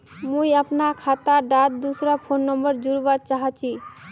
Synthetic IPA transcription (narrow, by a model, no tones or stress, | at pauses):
mũjapnakʰat̪aɖat̪̚d̪usɾapʰonːɔmbəɾd͡ʒuɾbat̪̚t͡ʃaɦat͡ʃʰi